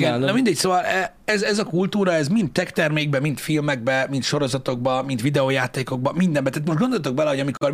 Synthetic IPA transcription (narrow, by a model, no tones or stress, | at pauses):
ɡɛnɒmind̪ɛcsoːvɒlɛ | ɛzɛzɒkult̪uːɾɒɛzmint̪ːɛkt̪ɛrmeːɡ̚bɛmint̪filmɛɡ̚bɛmint̪ʃo̞ɾo̞zɒt̪o̞ɡ̚bɒmint̪ʋid̪ɛoːjaːt̪eːko̞ɡ̚bɒmind̪ɛmbɛt̪aːt̪moʃt̪ɡond̪oljt̪o̞ɡ̚bɛlɛɦo̞ɟɒmikor